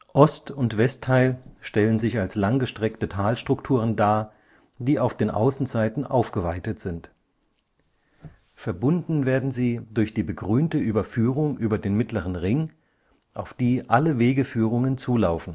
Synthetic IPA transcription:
ʔɔstʊntv̥ɛstʰːaɪlʃtɛlənzɪçalslaŋɡəʃtʁ̥ɛktətʰaːlʃtʁ̥ʊktʰuːʁ̞əndaː | d̥iːaʊfd̥eːnʔa̰ʊsn̩zaɪtn̩ʔa̰ʊfɡ̥əvaɪtətz̥ɪnt | fɛɐbʊndn̩veːɐdn̩ziːdʊɐçd̥iːbəɡʁyːntəʔyːbɐfyːʁ̞ʊŋʔyːbɐdeːnmɪtləʁ̞ənʁɪŋ | ʔaʊfd̥iːʔaləveːɡəfyːʁ̞ʊŋənt͡suːlaʊfn̩

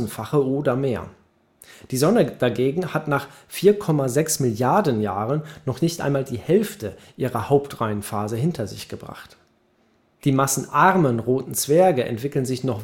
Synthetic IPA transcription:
n̩tfaχəʔoːdɐmeːɐ | d̥iːzɔnəd̥aɡeːɡŋ̩hatnaːχ | fiːɐkʰɔmazɛksmɪljaɐdən̩jaːʁənːɔχnɪçtʔa̰ɪnmaːldiːhɛlftəʔiːʁɐhaʊptʁaɪənfaːzəɦɪntʰɐzɪ̰çɡ̥əbʁa̰χt | d̥iːmasn̩ʔaʁmənʁoːtn̩t͡sv̥ɛɐɡəʔɛ̰ntv̥ɪkl̩ənzɪçnɔχ

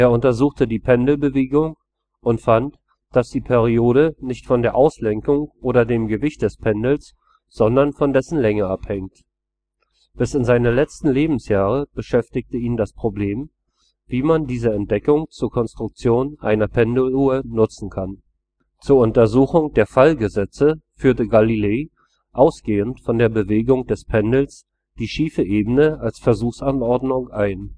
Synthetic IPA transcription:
ʔeːɐʊntɐzuːxtədiːpʰɛndl̩bəveːɡʊŋ | ʊntfant | d̥asd̥iːpʰɛʁioːɾənɪçtfɔndeːɐʔaʊslɛŋkʊŋʔoːɾɐdeːmɡəvɪçt̚d̥ɛspʰɛndl̩s | z̥ɔndɐnfɔndɛsn̩lɛŋəaphɛŋt | b̥ɪsɪnzaɪnɐlɛt͡stn̩leːbm̩sjaːʁəb̥əʃɛftɪk̚təiːndaspʁ̥obleːm | viːmandiːzəɛntd̥ɛkʊŋt͡suːɐkʰɔnstʁ̥ʊk̚t͡sjoːnʔa̰ɪnɐpʰɛndl̩uːənʊt͡sn̩kʰan | t͡suːɐʊntɐzuːxʊŋd̥eːɐfalɡəzɛt͡səfyːɐtəɡalileː | ʔaʊsɡ̥eːəntfɔndeːɐbəveːɡʊŋd̥ɛspʰɛndl̩s | d̥iːʃiːfəʔeːbənəalsfɛɐzuːxsanɔɐdnʊŋʔaɪn

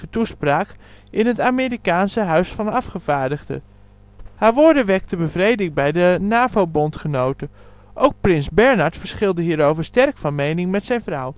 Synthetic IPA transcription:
ətuspraːk | ɪnɦətaːmeːɾikaːnsəɦœɥsfɑnɑfχəv̥aːɹdəɣdə̰ | haːɹʋoːɹdəʋɛk̚təbəvrejdɪŋbɛjdənaːvowbontχənowtə | ʔowk̚prɪnzbɛɹnaɹtfəɹsχɪlˠdəɦiːɾowvəɹstɛrkfɑnmejnɪŋmɛtsɛjnvraw

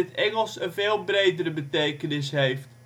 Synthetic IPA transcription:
ətɛŋəlˠsənveːlˠbrejdəɾəbətejkənɪsɦejft

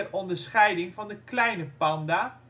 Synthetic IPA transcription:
ɛrɔndəɹsχɛjdɪŋvɑndəklɛjnəpɑnda

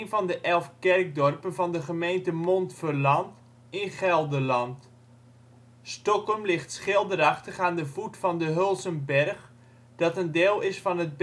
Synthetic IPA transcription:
nvɑndəʔɛlˠfkɛrk̚dɔrpənvɑndəχəmejntəmontfərlɑnt | ɪnχɛlˠdəlɑnt | stɔkɔmlɪχtsχɪlˠdərɑχtəχaːndəvutfɑndəɦølˠsənbɛrχ | d̥ɑtəndeːlˠɪsfɑnət̚b

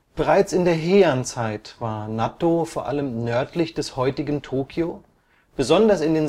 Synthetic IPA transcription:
b̥əʁaɪt͡sɪndeːɐɦeːɐnt͡saɪtv̥aːɐnatofoːɐʔaləmnœɐtʰlɪçd̥ɛshɔʏtɪɡn̩tʰoːkʰjo | b̥əzɔndɐsɪndeːn

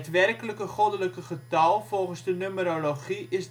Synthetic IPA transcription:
tʋɛrkələkəχodələkəχətɔlˠfolˠχənzdənøməɾoloχiʔɪs

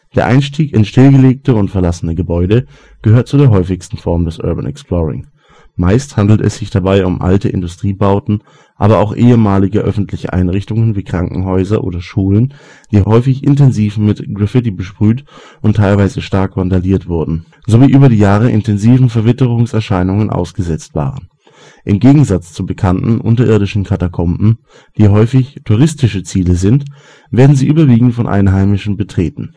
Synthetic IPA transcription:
d̥eːɐʔa̰ɪnʃtiːkɪnʃtɪlɡəleːk̚təʊntfɛɐlasənəɡəbɔʏɾə | ɡ̥əhøːɐt̚t͡sudeːɐɦɔʏfɪçstn̩fɔɐmdɛsʔœ̰ɐba̰nʔɛ̰ksplɔːʁɪ̰ŋ | maɪsthandl̩tɛ̰sz̥ɪçd̥abaɪʊmʔa̰ltəʔɪ̰ndʊstʁ̥iːbaʊtn̩ | ʔa̰ːbɐaʊxʔeːəmaːlɪɡəʔœ̰fn̩tʰlɪçə̰ʔa̰ɪnʁɪçtʊŋənviːkʁ̥aŋkŋ̩ɦɔʏzɐʔo̰ːdɐʃuːlən | d̥iːɦɔʏfɪçɪ̰ntɛnziːfmɪtɡ̥ʁafɪtibəʃpʁ̥yːt | ʔʊntʰːaɪlvaɪzəʃtaɐkv̥andaliːɐtv̥ʊɐdn̩ | zoviːʔyːbɐɾiːjaːʁəʔɪ̰ntʰɛnziːvn̩fɛɐvɪtəʁ̞ʊŋsɛɐʃaɪnʊŋənʔa̰ʊsɡ̥əzɛt͡stv̥a̰ːʁən | ʔɪmɡeːɡŋ̩zat͡st͡subəkʰantn̩ʔʊ̰ntɐʔɪɐɾɪʃn̩kʰatakʰɔmbm̩ | d̥iːɦɔʏfɪçtʰuʁ̞ɪstɪʃət͡siːləzɪnt | v̥eːɐdn̩ziːʔyːbɐviːɡŋ̩tfɔnʔa̰ɪnɦaɪmɪʃn̩bətʁ̥eːtn̩

